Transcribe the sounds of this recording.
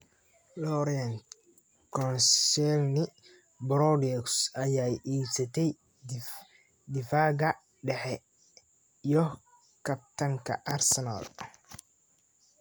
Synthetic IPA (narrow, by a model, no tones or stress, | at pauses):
lɔɾiɐn | kʰɔnsɛlnɪ | bɾɔdɛksɐjaːjiːsɐt̪ʰɛj | d̪ɪfaːɡɐ | ɖɛħɛ | ijɔ | kʰɐb̚t̪ʰɐŋkʰɐ̰ʔarsɛna̰l